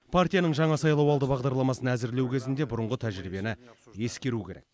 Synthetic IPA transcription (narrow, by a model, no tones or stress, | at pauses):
pʰart̪ijanəɴʒɑɴɑsɑjlˠɑwɑlˠd̪əbɑʁd̪ɑɾlˠɑmɑsənæzɪɾle̞wkʲʰe̞zɪnd̪e̞bʊɾəɴʁət̪ʰæʒɾibe̞nɪje̞skʲe̞ɾukʲʰe̞ɾe̞̰kk